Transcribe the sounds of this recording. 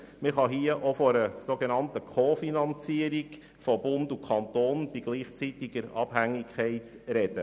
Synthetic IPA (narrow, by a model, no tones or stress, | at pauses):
mɪχɑɦiəʔofɔɾəsoɡenɑntəkʰoːfinɑnt͡siəɾiɡ | fob̥ʊnd̪ukʰχɑnt̪oːnb̥iɡ̥liːχt͡sitiɡ̥əɾɑb̥hæŋːikχɛɪt | ɾɛd̥ə